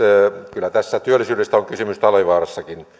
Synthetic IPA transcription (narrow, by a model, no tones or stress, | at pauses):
kylːˑæt̪æsːæt̪yølːˑisylest̪æoŋkysymyst̪ɑliʋɑːrɑsːɑkin